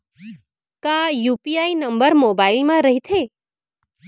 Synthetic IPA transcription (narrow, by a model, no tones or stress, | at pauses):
kãjupiainəmbəɾmobailmãɾəɦit̪ʰe